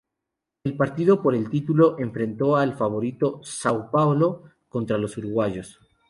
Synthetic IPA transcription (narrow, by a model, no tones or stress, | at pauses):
elpaɾt̪iðo̞po̞ɾe̞lt̪it̪ulo̞ʔe̞ɱfɾẽ̞nt̪o̞alfaβ̞o̞ɾit̪o̞sawpawlo̞ | ko̞nt̪ɾalo̞suɾuɣwaʝo̞s